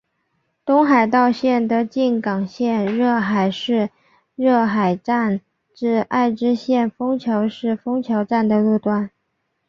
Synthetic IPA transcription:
t̪ʊ˥ŋxa˨˩ɪt̪ɑ˥˧ʊɕjɛ˥˩nd̪ə˧˥t͡ɕi˥˩nkɑ˨˩ŋɕjɛ˥˧nɻɤ˥˩xa˨˩ɪʂɻ̩˥˧ | ɻɤ˥˩xa˨˩ɪʈ͡ʂa˥˧n | ʈ͡ʂɻ̩˥˧a˥˩ɪʈ͡ʂɻ̩˥ɕjɛ˥˩nfɤ˥ŋt͡ɕʰjo˧˥ʊʂɻ̩˥˩fɤ˥ŋt͡ɕʰjɑ˧˥ʊʈ͡ʂa˥˩nd̪ə˩ɻu˥˧t̪wa˥˩n

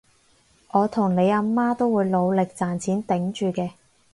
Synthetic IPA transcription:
ʔɔː˨˧t̪ʰʊ˨˩ŋne˨˧jaː˧maː˥t̪o˥wwuː˨˧jlo˨˧wlɪ˨k̚t͡saː˨˩nt͡sʰiː˨˥nt̪ɪ˨˥ŋt͡ʃyː˨˧kɛː˧

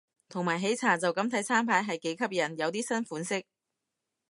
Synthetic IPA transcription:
t̪ʰo˨˩ŋmaː˨˩jɦe˨˥jt͡sʰaː˨˩t͡sɐ˨wkɐ˨˥mt̪ʰɐ˨˥jt͡sʰaː˥mpʰaː˨˥jɦɐ˨jke˨˥jkʰɐ˥p̚jɐ˨˩njɐ˨˧wt̪iː˥sɐ˥nfuː˨˥nsɪ˥k̚

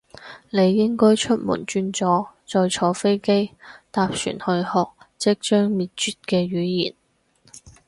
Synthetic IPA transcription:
ne˨˧jːɪ˥ŋkɔː˥jt͡ʃʰɵ˥t̚mṵ˨˩nt͡ʃyː˧nt͡sɔː˨˧t͡sɔː˨jt͡ʃʰɔː˨˧fe˥jke˥jt̪aː˧p̚sy̰ː˨˩nhɵ˧ɥhɔː˨k̚ | t͡sɪ˥k̚t͡ʃœː˥ŋmiː˨t̚t͡ʃyː˨t̚kɛː˧ɥyː˨˥jḭː˨˩n

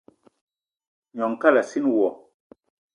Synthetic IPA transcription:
ɲɔ˨ŋ˨ka˦la˨si˦nwɔ˨

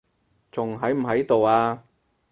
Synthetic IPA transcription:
t͡sʊ˨ŋɦɐ˨˥jm̩˨˩ɦɐ˨˥jt̪o˨waː˧

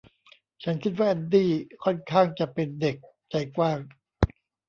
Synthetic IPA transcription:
t͡ɕʰa˦˥nkʰi˦˥t̪̚waː˥˩ʔa˧ndiː˥˩kʰɔ˥˩nkʰaː˥˩ŋt͡ɕa˨˩pe˧nde˨˩k̚ | t͡ɕa˧jkwaː˥˩ŋ

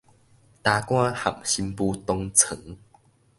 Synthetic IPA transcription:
t̪a˨˧kw̃ã˦ha̰˨˩mɕi˧mpu˦t̪ɔ˧ŋt͡sʰə˨˦ŋ

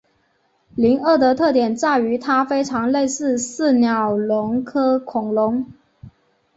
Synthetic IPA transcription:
li˧˥ŋə˥˩d̪ə˧˦t̪ʰɤ˥˩t̪jɛ˨˩nt͡sa˥˩y˧˥t̪ʰa˥fe˥ɪʈ͡ʂʰɑ˧˥ŋle˥˧ɪsɹ̩˥˧sɹ̩˥˩njɑ˨˩ʊlʊ˧˥ŋkʰɤ˥kʰʊ˨˩ŋlʊ˧˥ŋ

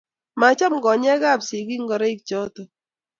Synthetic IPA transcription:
ma˨˦t͡ʃɔ˦mɡɔ˨ɲɛ˦ɡa˦˨bsi˨ɡi˦ŋ˦ɡɔ˨ɾɛ˦i˦k̚t͡ʃɔ˦tɔ˨

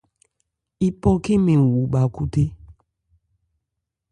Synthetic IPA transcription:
i˦pɔ˦ke˦mẽ˨wu˨ba˨ku˦te˦

